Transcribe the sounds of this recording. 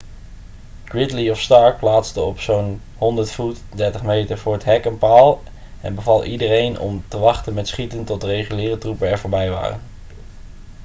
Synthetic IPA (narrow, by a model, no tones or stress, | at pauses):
ɡ̥ɹɪtliɔfstɑɹk̚plaːtstəɔpsown | ɦɔndəɹtfutdɛɹtəχmejtəɹvʊːɹətɦɛkənpaːlˠ | ɛ̰nbəvɑlˠʔidərejnʔɔ̰mtəʋɑχtənmɛtsχitəntɔt̚dərejχylɪːrətrupəɛɹv̥ʊːɹbɛjʋa̰ːrə̰n